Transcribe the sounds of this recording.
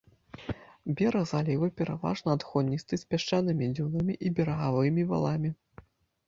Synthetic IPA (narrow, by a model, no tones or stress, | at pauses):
bʲɛɾɐɣzalʲivɨpʲɛɾava̰ʐnɐad̪xɔd̪ʲnʲist̪ɨsʲpʲaʂt͡ʂɛnɨmʲid͡zʲunɐmʲiʔibʲɛɾɐɣavɨmʲiva̰lˠamʲi